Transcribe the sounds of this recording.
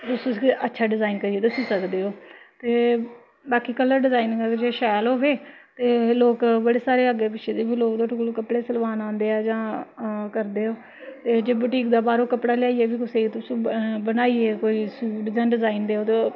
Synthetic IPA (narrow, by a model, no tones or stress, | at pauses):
t̪ʊsĩːsətːʃʰaːɖɪzaːinkəɾieːt̪ʊsĩːsəkd̪eːɦoːt̪eː | baːkiːkələɾɖɪzaːinɡəd͡ʒeːʃɛːlɦoːʋeː | t̪eːloːkbəɽeːsaːɾeːəɡeːpɪt͡ʃʃʰeːd̪eːbiːloːkd̪oːʈːklokəpɽeːsəlʋaːnãːnd̪eːaːd͡ʒãːkəɾd̪eːoː | t̪eːd͡ʒeːbəʈiːkd̪aːbaːɾoːkəpɽaːlɪaːiːeːbiːkʊseːit̪ʊsĩːbənaːieːkoːiːsuːʈd͡ʒãːɖɪzaːind̪eːoːt̪eː